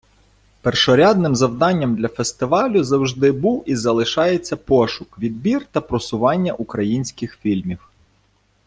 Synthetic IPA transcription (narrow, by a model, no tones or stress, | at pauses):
perʃɔɾʲɑd̪nɪmzɐwd̪ɑnʲːɐmd̪lʲɐfest̪ɪʋɑlʲʊzɐwʒd̪ɪbuwizɐlˠɪʃɑjet͡sʲːɐpɔʃʊkʋʲid̪̚bʲirt̪ɐpɾɔsʊʋɑnʲːɐʔukɾɐjinʲsʲkɪxfʲilʲmʲiw